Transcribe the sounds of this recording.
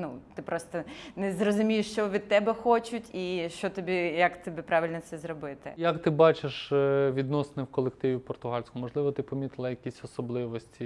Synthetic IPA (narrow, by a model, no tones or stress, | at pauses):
nut̪ɪpɾɔst̪ɔnɛzrɔzʊmʲijʊʃt͡ʃɔʋʲid̪̚t̪ɛbɛxɔt͡ʃʊtʲiʃt͡ʃɔt̪ɔbʲijɐkt̪ɔbʲipɾɑʋʲɪlʲnɔsɛzɾɔbɪt̪ɪ̰jɐkt̪ɪbɑt͡ʃeʃʋʲid̪nɔsnɪwkɔlˠek̚t̪ɪʋʲipɔrt̪ʊɦɑlʲsʲkʊmɔʐlˠɪʋɔt̪ɪpɔmʲit̪lˠɐjɐkʲisʲɔsɔblˠɪʋɔsʲtʲi